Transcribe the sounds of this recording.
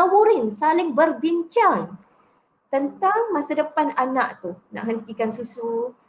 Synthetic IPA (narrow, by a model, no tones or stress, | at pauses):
awuɾɪnsalɪŋbərbiɲt͡ʃaŋ | t̪ənt̪aŋmasadəpananaʔt̪una̰ʔɦənt̪ikansusu